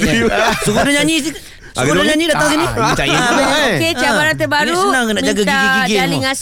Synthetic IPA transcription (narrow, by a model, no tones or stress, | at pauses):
sukudaɲaɲis̬i | sakudaɲaɲidat̪aŋs̬init͡ʃaoket͡ʃabaɾat̪əbaɾusunaŋnaʔd͡ʒaɡaɡaiɡiɡialiŋas